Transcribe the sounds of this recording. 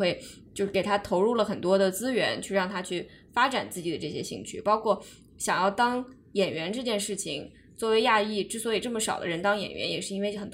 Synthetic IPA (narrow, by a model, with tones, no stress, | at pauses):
we˥˩ɪt͡ɕjo˥˧ʊʂ̩˥˩ke˨˩t̪ʰa˥t̪ʰo˧˥ʊɻu˥˩lə˩xə˨˩nt̪wɔ˥d̪ə˨t͡sɹ̩˥ɥɛ̰˧˥nt͡ɕʰy˥˧ɻɑ˥˩ŋt̪ʰa˥t͡ɕʰy˥˩ | fa˥ʈ͡ʂa˨˩nt͡sɹ̩˥˩t͡ɕi˨˩d̪ə˦ʈ͡ʂɤ˥˩ɕjɛ̰˥ɕḭ˥˧ŋt͡ɕʰy˥˩pɑ˥ʊkʰwɔ˥˩ | ɕjɑ˨˩ŋjɑ˥˩ʊt̪ɑ˥ŋ | jɛ˨˩nɥɛ˧˥nʈ͡ʂɤ˥˧t͡ɕjɛ˥˧nʂɻ̩˥˩t͡ɕʰi˩ŋ | t͡swɔ˥˩we˧˥ɪja˥˧i˥˩ʈ͡ʂɻ̩˥˩swɔ˧˥i˨˩ʈ͡ʂɤ˥˩mə˩ʂɑ˨˩ʊd̪ə̰˦ɻə˧˥nt̪ɑ˥ŋjɛ̰˨˩nɥɛ̰˧˥njɛ˨˩ʂɻ̩˥˩˧i˥nwe˥˧ɪxə˨˩nt̪